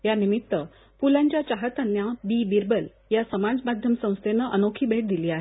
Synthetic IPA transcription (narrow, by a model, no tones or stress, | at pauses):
janimit̪ːə | pulãɲt͡ɕjat͡ɕaɦət̪ənːjabibiɾbəl | jasəmad͡zmad̪ʱjəmsə̃w̃st̪ʰenəʔənokʰiːbʱeʈ̚d̪iliːaɦe